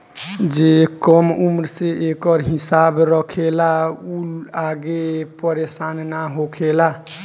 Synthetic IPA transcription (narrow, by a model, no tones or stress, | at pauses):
d͡ʒekəmumɾseekəɾɦisabɾəkʰelauaɡepəɾesannaɦokʰela